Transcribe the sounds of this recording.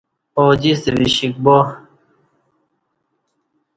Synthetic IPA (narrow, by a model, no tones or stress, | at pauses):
oːd͡ʑiseβiɕik̚bo